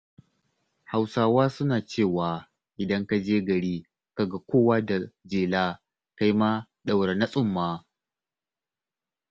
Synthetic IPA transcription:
ha˨wsaː˦waː˦sʊ˦naː˨t͡ʃeː˦˨waː˨ | ʔɪ˨dɐ˦ŋka˦d͡ʒeː˦ɡɐ˨ɽiː˦ | ka˦ɡa˦kʷʰoː˦˨waː˦da˨d͡ʒeː˨laː˦ | ka˦jma˦ | ɗa˨wɽa˨na˦sʼʊ˦mːaː˦

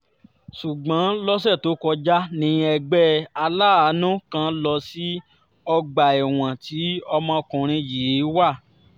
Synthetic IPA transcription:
su˨ɡ͡bã˨˦lɔ˦s̬ɛ˦˨to˨˦kɔ˧d͡ʒa˦nĩ˨˧˦ɛ˧ɡ͡bɛ˦a˧laː˦˨a˨˦nũ˦kã˦˧˨lɔ˧si˦ | ɔ˧ɡ͡ba˨ɛ˨w̃ã˨ti˨˦ɔ˧mã˧kũ˨ɾ̃ĩ˧ji˨˦wa˦˨

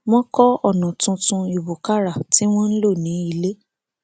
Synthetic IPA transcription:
wɔ̃˦kɔ˦ɔ˦˨nɔ̃˨tũ˧tũ˧i˨wo˨ka˦ɾa˦˨ti˨˦w̃ɔ̃˦n̩˦lo˦˨nĩ˨˦i˧le˦

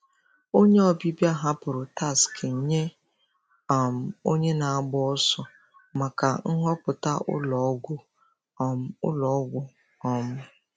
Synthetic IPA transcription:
o˦ɲe˦ɔ˨bi˦bja˦ɦa˦pʊ˨ɾʊ˨ta˦˨skʰe˨ɲ̩˦ɲe˦ | a˨m̩˨o˦ɲe˦na˨a˦ɡ͡bɔ˦ɔ˦sʊ˦ | ma˨ka˨ŋ̩˦ɦɔ˦pʊ˨ta˦ʊ̰˦lɔ˨˦ɡʷʊ˦˨ | m̩˦ʊ̰˦lɔ˨˦ɡʷʊ˦ | ɔ˦m̩ʊ˦

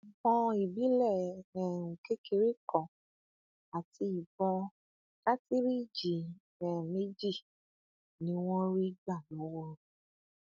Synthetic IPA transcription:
bɔ̃˧i˨bi˨˦lɛ˦˨nɛ̃˨ɾũ˨ke˦kʰe˧ɾi˦˨kʰɔ̃˨ | a˨ti˧i˨bɔ̃˧ | ka˦ti˦ɾi˦˨d͡ʒi˨ | ɛ̃˨me˦d͡ʒi˦˨ | nĩ˨˦w̃ɔ̃˦ɾi˦ɡ͡ba˦˨lɔ˨˦wo˦˨ɾ

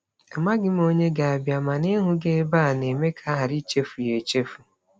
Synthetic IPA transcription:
a˨ma˦ɡɪ˦m̩˦o˦ɲe˦ɡa˨a˨bja˨ma˨ne˦ɦʊ˦ɡe˦ba˦˨ne˨me˦kʰa˦ɦa˨ɾi˦t͡ʃe˦fu˨je˨t͡ʃe˦fu˨

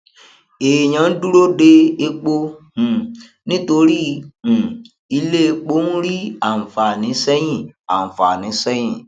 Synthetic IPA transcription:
e˨ɲ̃ã˨n̩˦du˦ɾo˦de˧e˧k͡põ˧˨ | nĩ˦to˧ɾĩ˦˨ | i˧le˦˧k͡po˦nũ˦ɾi˦ã˨fa˨nĩ˨˦sɛ˦j̃ĩ˦˨a˨fa˨nĩ˨˦sɛ˦j̃ĩ˦˨

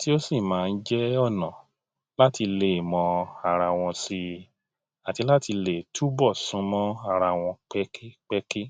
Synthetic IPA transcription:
ti˦o˦si˦˨mãː˨˦˧n̩˦d͡ʒɛ˦ɔ˦˨nã˨ | la˦ti˧le˨mɔ̃˧a˦˧˨ɾa˧w̃ɔ̃˧si˧˦˧ | a˨ti˨˧˦la˦ti˧le˨tʰu˦bɔ˦˨sũ˨˦mɔ̃˦a˦˨ɾa˧w̃ɔ̃˧k͡pɛ˦ke˦k͡pɛ˦ke˦

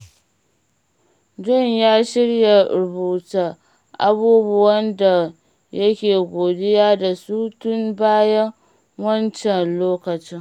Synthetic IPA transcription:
d͡ʒɔ˦ɲjaː˦ʃɪ˦ɽja˨ɾʊ˨buː˨ta˨ | ʔa̰˦buː˦bʊ˦wɐ˦nda˨ | jɐ˦kʲeː˨ɡʷoː˨dɪ˦jaː˦da˨suː˦tʊ˦mbaː˦jɐ˦ŋ | wɐ˦nt͡ʃɛ˨nloː˦kɐ˨t͡ʃɪ˦ŋ

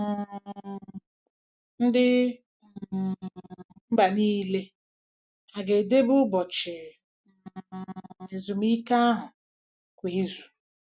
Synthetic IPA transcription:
n̩˦dɪ˦˨ | m̩˦ba˨niː˦le˦ | a˨ɡe˨de˦bʊ˦bɔ˨t͡ʃɪ˨ | e˨zu˨m˦i˦ka˦a˦ɦʊ˨ | kʷe˨e˦zu̥˨

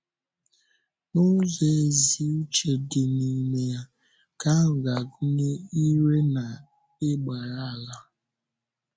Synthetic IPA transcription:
nʊ˦ze˨e˨zi˨u˦t͡ʃe˨dɪ˨ni˨me˨ja˦ | ka˦ŋ̩˨ɡa˨ɡu˦ne˦i˦ɾe˦na˨ | ɪ˦ɡ͡ba˨ɾa˦a˨la˦

